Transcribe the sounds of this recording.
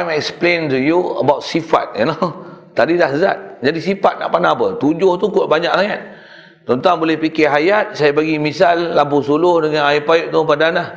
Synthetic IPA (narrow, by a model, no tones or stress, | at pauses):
jmɛksplentujuə̰bawt̪̚sifa̰t̪̚ənot̪adidahza̰t̪̚d͡ʒadisifat̪̚na̰ʔpanaapət̪ud͡ʒʊht̪ukoʔbaɲakajat̪ | t͡ʃɔnt̪aŋbolɛhpikɪɦajat̪̚sajapaɡimisalːapusulʊhdəŋanaɪpajʊʔ̚t̪upadanah